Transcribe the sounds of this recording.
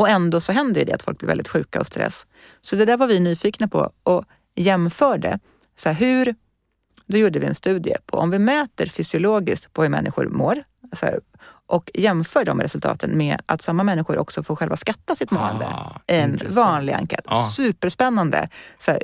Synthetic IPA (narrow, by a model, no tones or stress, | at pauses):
ɔɛnd̪oːsɔɦɛnd̪əjʏd̪ɛ̰at̪fɔlk̚blɪɾvɛ̰ld̪ɪt̪ɧʉ̟ːkaɔst̪ɾɛ̰sː | sɔd̪ɛd̪æːɾvaɾvɪnyːfiːknapʰɔ̰ɔ | jɛmfœːɖɛ̰ | sɔæɦʉ̟ɾ | d̪ɔjuːɖəvɪɛ̰nst̪ʉ̟ːd̪ɪə̰pʰɔ̰ʔɔmvɪmøːt̪əɾfʏsɪʊloːɡɪskt̪pʰɔhɵɾmɛ̰nːʔɪ̰ɧʊ̰ɾmoːɾ | s | ʔɔkjɛmfœːɖɔmɾɛsɵlt̪ʰɑ̰ːt̪ʰənmeʔat̪samːamɛnːɪɧʊɾʔɔ̰ksɔfoːɧɛlvaskat̪ːasɪt̪moːɛ̰nd̪ə̰ʔɪɛnvɑːnlɪɡa̰ŋkʰɛ̰t̪sʉ̟ːpəʂpɛnːand̪ə̰sæɾ